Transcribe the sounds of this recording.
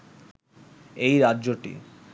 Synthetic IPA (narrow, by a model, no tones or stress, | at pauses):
ejɾadːʑoʈḭ